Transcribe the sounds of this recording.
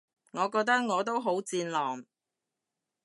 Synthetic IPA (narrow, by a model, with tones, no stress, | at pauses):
ŋɔː˨˧kɔː˧k̚t̪ɐ˥k̚ŋɔː˨˧t̪o˥wɦo˨˥wt͡siː˧nlɔː˨˩ŋ